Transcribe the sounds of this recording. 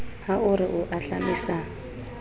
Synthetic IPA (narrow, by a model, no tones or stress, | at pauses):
haʔʊrɪʔʊʔaɬamɪsa